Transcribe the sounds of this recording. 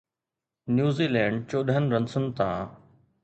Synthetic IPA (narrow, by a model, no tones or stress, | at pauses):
njuːziːlɛ̃ːɳɖ̚t͡ɕoːɗɦənɾə̃nsʊnt̪ã̰ː